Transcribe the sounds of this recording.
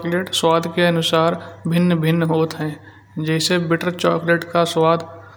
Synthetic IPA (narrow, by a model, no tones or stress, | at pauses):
kleʈswaːd̪ʱkeɐnʊsaːɾbʱɪnːbʱɪnːɦoːt̪ɦɛ̃ː | d͡ʒɛːsebɪʈəɾt͡ʃɔːkleʈkaswaːd̪